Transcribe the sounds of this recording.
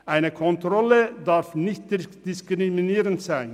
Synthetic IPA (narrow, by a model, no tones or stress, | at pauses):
ʔaɪnəkʰɔntʁɔlədaʁfnɪçt̚d̥ɪskʁiminiːʁəntz̥aɪn